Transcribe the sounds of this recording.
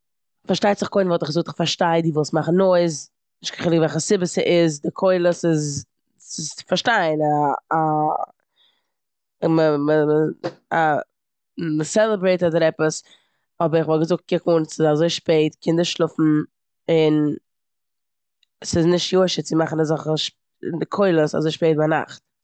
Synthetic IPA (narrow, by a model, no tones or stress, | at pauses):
faɾʃtaɪtzɪχkoɪnvɔlˠtɪχɡzʊk̚tɪχfaɾʃtaɪdiːvuːsmaχn̩noɪz | nɪʃtkaχɪlˠɪkvɛlˠχəsɪbəsɪʔɪzdɪkʰoɪlˠəsɪz | sɪsɪ̥faɾʃtaɪna | məmə | a | məsɛlˠəbɾeɪtadəɾɛpəs | ɔbəɾɪχvɔlˠɡəzʊk̚t̚kɪkunsɪzazoɪʃpeɪtkʰɪndəʃlˠʊfn̩ | ɪn | sɪznɪʃtjuɪʃət͡sɪmaχn̩azɔχəʃ | dɪkʰoɪlˠəsa̰zoɪʃpeɪt̚baɪna̰χt̚